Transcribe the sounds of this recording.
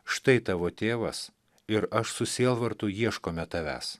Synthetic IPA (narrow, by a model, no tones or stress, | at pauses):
ʃt̪ɐɪt̪ɑːʋoːt̪ʲeːʋɐs | ɪɾɐʃsʊsʲiːlˠʋɐɾt̪ʊjiɛʃkoːmʲɛt̪ɐʋʲæ̰ːs